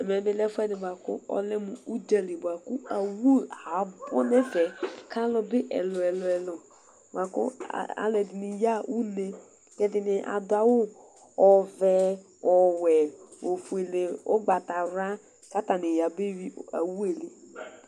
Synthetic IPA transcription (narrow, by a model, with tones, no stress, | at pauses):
ɛ˨mɛ˨bɪ˦lɛ˦fɛ˦dɪ˨ba˨kʊ̰˦ɔ̰˦lɪ˦mʊ˨u˦d͡ʒa˨li˨bʊ˨a˨kʊ˦a˨wu˦˨ha˨bɔ̰˦nɛ˦fɛ˨kʰa˦lɔ˦bɪ˦ʔɛ̰˨lɔ˨ɛ˨lɔ˨ɛ˨lɔ˨ | ba˨kʊ̰˦˨a̰˦lɛ˨dɪ˨nɪ˨ja˦ʔu˦ne˦ | kɛ˦dɪ˨nɪ˨ʔa̰˨dʊ˨˦a˨wʊ˦ | ɔ˨vɛ˨ | ɔ˨wɛ˨o˨fu˨e˨le˨o̰˦ɡ͡ba˨ta˨ɾa˦ | ka˦ta˨nɪ˨ja˨be˦wi˦a˨wu˦e˨le˨